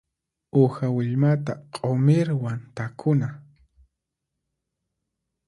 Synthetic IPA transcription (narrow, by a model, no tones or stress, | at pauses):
ʊxawɪʎmat̪aqʼomɪɾwant̪akʰʊna